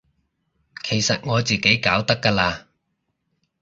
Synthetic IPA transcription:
kʰe˨˩jsɐ˨t̚ŋɔː˨˧t͡siː˨ke˨˥jkaː˨˥wt̪ɐ˥kːaː˧laː˧

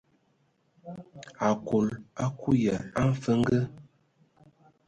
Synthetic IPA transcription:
a˨ko˨la˦ku˦jə˨a˦ɱ˦fə˦ŋ˦ɡə˦

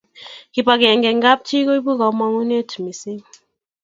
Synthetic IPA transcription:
ki˨pa˨kɛ˨ŋɡɛ˨ŋɡa˦p̚tʰi˦ko˦i˦bu˦ka˨˦ma˨ŋu˦ne˦tʰu˨mi˨se˦

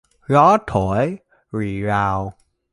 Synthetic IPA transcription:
ɣɔ˨˦t̪ʰo˧˩˦j | ɹi˨˩zaː˨˩w

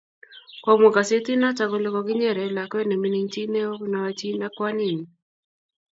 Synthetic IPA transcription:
kwa˨mɔ˨ka˨se˦ti˦na˦t͡ʃa˨ko˨lɪ˦kɔ˨ki˦ɲɛ˦˨ɾɛ˨la˨kɛ˦nɛ˨mi˦ni˦ɲ˦t͡ʃi˦nɛ˦ɔ˦kna˨wa˦t͡ʃi˦na˦kwa˦ni˦˨ni˨

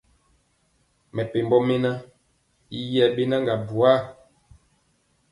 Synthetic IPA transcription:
mɛ˨pe˨m˦bɔ˦me˦na˦ | i˦jɛ˦˨be˦na˦ŋɡa˨bu˨a˦˨

